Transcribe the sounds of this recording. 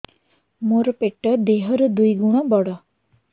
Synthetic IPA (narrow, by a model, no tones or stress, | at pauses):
moɾɔpeʈɔd̪eɦɔɾɔd̪ujɡuɽ̃ɔbɔɽɔ